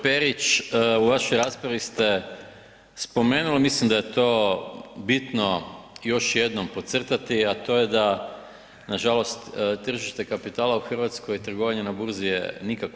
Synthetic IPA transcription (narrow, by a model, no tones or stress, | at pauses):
peɾit͡ʃuʋaʃo̞jɾaspɾaʋist̪e | spo̞meːnulimislimd̪ajet̪o̞ːbit̪no̞jo̞ʃje̞d̪no̞mpot̪sr̩t̪at̪iat̪o̞jed̪a | naʒalo̞st̪t̪r̩ʒiʃt̪e̞kapit̪aːlauxr̩ʋat̪skojt̪ɾr̩ɡoʋaɲenabuɾzijḛnikak